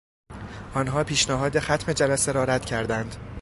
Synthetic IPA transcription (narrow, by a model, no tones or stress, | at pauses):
ʔɒːnɦɒːpʰiːʃnæɦɒːd̪exæt̪ʰme̞d͡ʒælæseɾɒːɾæt̪cʰæɾd̪ænd̪̥